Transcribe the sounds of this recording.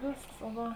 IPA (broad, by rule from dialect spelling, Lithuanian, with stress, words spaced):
ˈʋʲeːsks ˈʋɐ